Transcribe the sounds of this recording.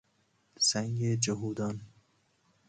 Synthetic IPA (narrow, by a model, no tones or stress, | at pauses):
sæŋɡed͡ʒoɦuːd̪ɒn